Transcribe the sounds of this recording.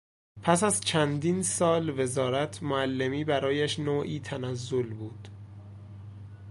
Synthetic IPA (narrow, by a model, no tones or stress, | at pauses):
pʰæsæzt͡ʃʰænd̪iːnsɒːlve̞zɒːɾæt̪ʰmoælːemiːbæɾɒːjæʃnoːʔiːt̪ʰænæzːolbuːd̪̥